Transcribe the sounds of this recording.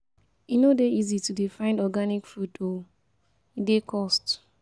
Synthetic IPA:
inodeizitudifãɪ̃ndɔɡanikfuto | idekɔst

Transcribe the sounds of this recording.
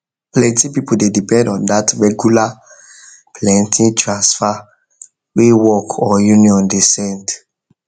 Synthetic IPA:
plɛ̃ntĩpipudedipɛ̃ndɔ̃ndatɹɛɡjula | plɛ̃ntʰĩntʰɹãnsfa | wewɔkʰɔjuniɔ̃ndesɛ̃nd

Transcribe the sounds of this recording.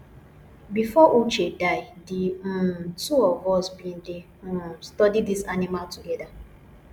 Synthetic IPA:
bifɔʔut͡ʃedaɪdĩtuɔvɔsbĩn̩dẽ | stɔdidisanimaltuɡɛda

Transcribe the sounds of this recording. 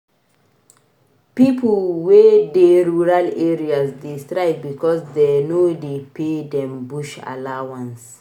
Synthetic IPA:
pipəlwedeɹuɹaleɹiasdiestɹaɪb̚bikɔsdɛnodepedɛ̃mbuʃa̰lawãns

